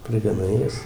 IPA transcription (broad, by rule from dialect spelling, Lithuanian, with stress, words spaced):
pʲrʲɪɡɐˈnɐɪ ˈjɛs